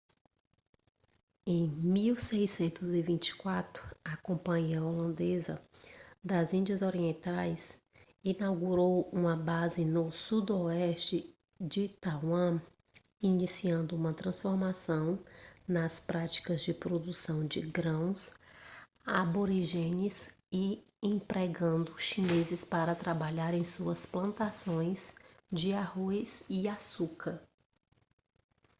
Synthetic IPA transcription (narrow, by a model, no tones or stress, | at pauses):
ẽj̃miwsejsẽnt̪ʊzɪvĩnt͡ʃɪ̥kwat̪ɾʊɐkõpɐ̃ɲiɐolɐ̃nd̪ezɐ̰ | d̪ɐzĩnd͡ʒɐzoɾiẽnt̪ajs | inawɡuɾowũmɐbazɪnʊsud̪oɛst͡ʃɪ | d͡ʒɪt̪awɐ̃ | inisiɐ̃nd̪ʊũmɐt̪ɾɐ̃sfoɾmasɐ̃w̃nɐspɾat͡ʃi̥kɐzd͡ʒɪpɾod̪usɐ̃w̃d͡ʒɪ̰ɡɾɐ̃w̃s | aboɾiʒẽnɪs | ɪ | ẽpɾeɡɐ̃nd̪ʊʃinezɪspaɾɐt̪ɾabaʎaɾẽj̃suɐsplɐ̃nt̪asõj̃sd͡ʒɪahojzɪasukɐɾ